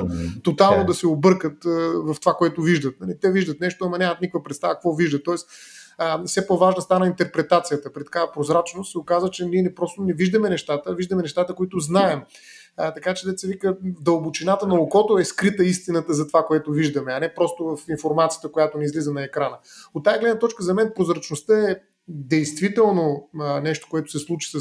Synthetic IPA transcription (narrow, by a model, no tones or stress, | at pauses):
t̪ot̪alˠnʊd̪ɐsɛobɤɾkət̪vɐft̪o̥vakoɛt̪ʊviʒd̪ət̪̚nɐlit̪ɛviʒd̪ət̪nɛʃt̪oɐmɐnʲamɐt̪nikvəpɾɛt̪st̪avək̚kvɔviʒd̪ət̪ːɔɛs | fsɛpovaʒnəst̪anəint̪ɛɾpɾɛt̪at̪sijət̪əpɾit̪ɐ̥kaɛpɾozɾat͡ʃnʊst̪sɛokazvət͡ʃɛniɛnɛpɾɔst̪ʊnɛviʒd̪ɐmɛnɛʃt̪at̪əviʒd̪ɐmɛnɛʃt̪at̪əkoit̪ʊznaɛm | t̪ɐkat͡ʃɛd̪ɛt̪sɛvikəvd̪ɐlˠbʊt͡ʃinat̪ənɐokɔt̪oɛskɾit̪əist̪inət̪əzɐt̪vakoɛt̪ʊviʒd̪əmɛɐnɛpɾɔst̪ʊvɐfinfoɾmat̪sijə̥t̪əkojat̪oniizlizənɐɛkɾanəot̪ːajɐɡlɛd̪nət̪ɔt͡ʃkəzɐmɛnpɾozɾɐt͡ʃnʊst̪əɛ | d̪ɛjst̪vit̪ɛlˠnonɛʃt̪o̥koɛt̪ʊ̥sɛslˠut͡ʃi̥s